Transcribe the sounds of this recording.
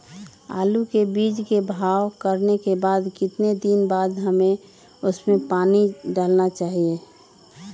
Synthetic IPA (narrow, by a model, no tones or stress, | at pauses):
a̰ːlukebiːd͡ʒkebʱaːwkəɾnekebaːd̪kɪt̪ned̪inbaːd̪ɦəmẽ | ʊsmẽpaːniɖaːlnat͡ʃaːɦie